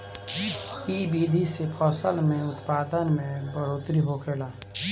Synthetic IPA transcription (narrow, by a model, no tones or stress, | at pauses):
iːbiːd̪ʱisepʰɔːsəlmẽʊt̪paːd̪ənmẽbəɽoːt̪ɾiɦokʰeːlaː